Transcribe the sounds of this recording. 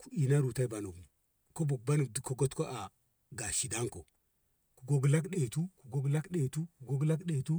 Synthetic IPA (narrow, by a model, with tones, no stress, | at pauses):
ku̥˦i˨na˦ɾu˨ta˦i˦ba˨no˨ɡmu˨ | ko˦bu˨k̚ba˦nu˨dko˦ɡo˦tko˦a˨ | ɡa˨ʃi˨da˦ŋko˨ | ku˨ɡo˦ɡla˦kɗe˨tu˦ku˨ɡo˦ɡla˦kɗe˨tu˦ku˨ɡo˦ɡla˦kɗe˨tu˦